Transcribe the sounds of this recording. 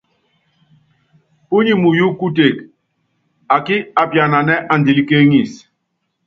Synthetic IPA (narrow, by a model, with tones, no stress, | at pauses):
u˦ɲi˦mu˨ju˦ku˦te˨k | a˨ki˦a˨pja˨na˨nɛ˦ʔa˨ndi˨li˦ke˦ŋi˨s